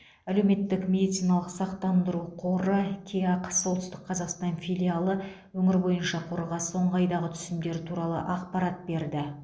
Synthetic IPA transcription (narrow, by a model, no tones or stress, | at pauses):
æle̞wme̞t̪ːɪkmʲe̞d̪ijt̪sijnɑlˠəqsɑqt̪ɑnd̪əɾuqʰo̞ɾəkʲʰeɑqsːolˠt̪əst̪ɪq̚qʰɑzɑqst̪ɑnfʲijlʲialˠə | wɵŋɪɾbo̞jənʃɑqʰoɾʁɑsəo̞ɴʁəɑjd̪ɑʁət̪ʰʏ̥sɪmd̪e̞ɾɪt̪ʰuɾɑlˠə̰ʔɑqpɑɾɑt̪̚be̞ɾd̪ɪ